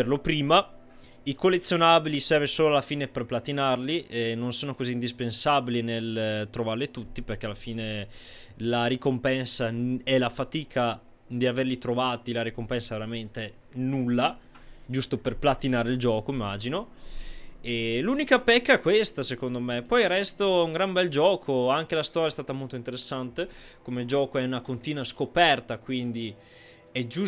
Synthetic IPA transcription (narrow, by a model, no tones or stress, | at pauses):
erlopɾiːma | ikolːet̪sːjonaːbilisɛrvesoːloalːafiːneperplat̪inarliɛnːonsoːnokoziːnd̪ispensabilinelt̪ɾovaɾlet̪ut̪ːiperk̟ealːafiːne | laɾikompɛnsaɛlafat̪iːkʰa | d̪iaverlit̪ɾovaːt̪ilaɾikompɛnsaveɾament̪e | nulːa | d͡ʒust̪operplat̪inaːɾeild͡ʒɔːkomimːaːd͡ʒino | eluːnikapɛkːaɛkwest̪asekond̪omepɔjarːɛst̪ouŋɡɾambɛld͡ʒɔːkʰoaŋk̟elast̪ɔːɾjaɛst̪aːt̪amolt̪oint̪eɾesːant̪ekomed͡ʒɔːkoɛunakont̪iːnwaskopɛrt̪akwind̪i | ɛd͡ʒu